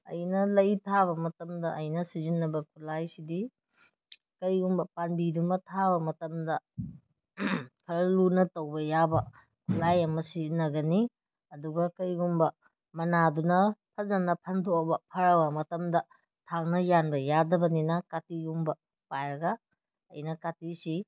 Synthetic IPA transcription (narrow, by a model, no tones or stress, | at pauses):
ɐ̰jnɐlɐjtʰaβɐmɐtɐmdɐʔɐjnɐsizinːɐbɐkʰulajsidi | kɐɾjɡumbɐpanbidumɐtʰabɐmɐtɐmdɐ | pʰɐɾɐlunɐtɐwbɐjabɐ | kʰulajɐmɐsinɐɡɐni | ɐduɡɐkɐɾiɡuŋbɐ | mɐnadunɐpʰɐzɐnɐpʰɐndobɐpʰɐɾɐbɐmɐtɐmdɐ | tʰaŋnɐjanbɐjadɐbɐninɐkatijuŋbɐ | pajɾɐɡa | ɐ̰jnɐkatisi